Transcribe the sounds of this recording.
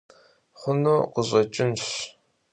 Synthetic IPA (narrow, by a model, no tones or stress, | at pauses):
χʷʊnuːqəʑʷʼɐt͡ʃʼɪnɕ